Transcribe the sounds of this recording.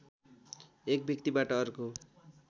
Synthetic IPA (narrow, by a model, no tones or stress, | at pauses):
ek̚bjʌk̚t̪ibaʈʌːɾuko